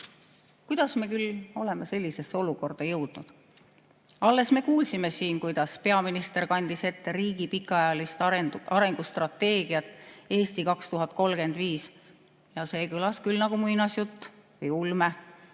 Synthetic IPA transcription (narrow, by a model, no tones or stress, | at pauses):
kujd̪̥ɑsme̞ːkylːo̞le̞mese̞lʲːise̞sːeo̞luko̞rd̪̥ɑjɤwd̪̥nud̪̥ | ɑlːe̞sme̞kuːlsime̞siːnkujd̪̥ɑspe̞ɑminist̪e̞ɾkɑnʲd̪̥ise̞t̪ːe̞ɾiːɡ̥ipikːˑɑjɑlist̪ɑɾe̞ŋɡ̥ust̪rɑt̪ːe̞ːɡ̥iɑt̪ːˑe̞ːst̪ikɑkst̪uɦɑt̪̚ˑko̞lɡ̥e̞nd̪viːs | jɑse̞ːkɯlɑskylnɑɡ̥umujnɑsjut̪ːvɯjulme